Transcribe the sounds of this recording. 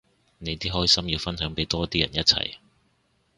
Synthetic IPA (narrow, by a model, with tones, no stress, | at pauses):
ne˨˧jt̪iː˥ɦɔː˥˨sɐ˥mjiː˨˧wfɐ˥nɦœː˨˥ŋpe˨˥jt̪ɔː˥t̪iː˥jɐ˨˩njɐ˥t̚t͡sʰɐ̰˨˩j